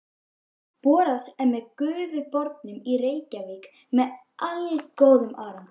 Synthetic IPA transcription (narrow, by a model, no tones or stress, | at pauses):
pɔːɾasɛɾmɛðkʏːvʏpɔɾt̪nʏmireːjcaviːk | mɛð | ʔalkoːwðʏmʔaːɾam